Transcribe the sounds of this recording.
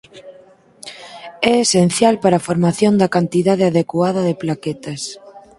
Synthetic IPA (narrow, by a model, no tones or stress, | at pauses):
ɛesen̟θjalpaɾafoɾmaθjond̪ɐkant̪iðaðeaðekwaðɐðeplaket̪ɐs